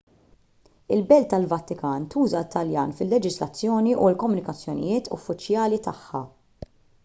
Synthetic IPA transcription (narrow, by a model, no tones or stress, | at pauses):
ɪlbɛlt̪ɐlvɐt̪ːɪkɐːnt̪uːzɐt̪ʰːɐljɐ̰ːnfɪlːɛd͡ʒɪzlɐt͡sːjɔːniʔulkɔmːʊnɪkɐt͡sːjɔnɪ̰jɪːt̪ʰʊ̰fːɪt͡ʃjɐːlit̪ɐħːɐ̰